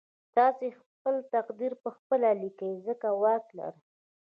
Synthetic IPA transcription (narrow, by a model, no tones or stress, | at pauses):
t̪ɑsexpəlt̪aqd̪iɾpəxpəlalikəjzəkawɑkla̰ɾ